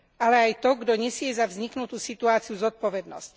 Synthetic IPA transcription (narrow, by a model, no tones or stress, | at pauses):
ʔalɛajt̪ɔɡd̪ɔɲɛsɪɛzavzɲiknut̪uːsit̪uaːt͡siuzɔt̪̚pɔʋɛd̪nɔ̰sc